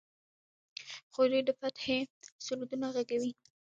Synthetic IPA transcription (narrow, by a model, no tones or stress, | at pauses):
xod̪ed̪əfat̪xesʊlud̪unaɣaɡawi